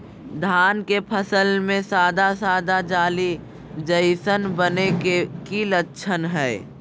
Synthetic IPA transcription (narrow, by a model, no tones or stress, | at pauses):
d̪ʱaːnkepʰəsəlmẽsaːd̪asaːd̪ad͡ʒaːli | d͡ʒəɪsənbənekekilətːʃʰənɦɛː